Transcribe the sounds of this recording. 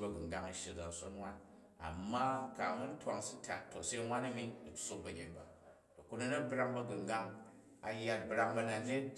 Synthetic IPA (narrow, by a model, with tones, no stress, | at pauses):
bɐ˧ɡɨ˨ŋ˨ɡa˦ŋɐ˨ʃe˨d͡za˨n˨so̰˦nwʷa˦n | a̰˨mːa˦ka̰˨mu˦n˦tʷwa˨ŋsi˦tʰa̰˨tːo˨se˦ŋʷwa˦nɐ˦mi˦di˨˦so˦k̚bɐ˨ɡʲe˨nba˨ | to˨ku˦nɐ˦nɐ˦bɾa˧ŋbɐ˧ɡu˨ŋɡa˦ŋ | a˨ja˦t̚bɾa˧ŋbɐ˧na˨ne˦